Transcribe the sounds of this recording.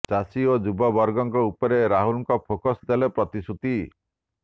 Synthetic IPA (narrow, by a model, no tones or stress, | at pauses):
t͡ʃasiod͡ʒubɔbɔɾɡɔŋkɔupɔɾeɾaɦulɔŋkɔpʰokɔsd̪elepɾɔt̪isut̪i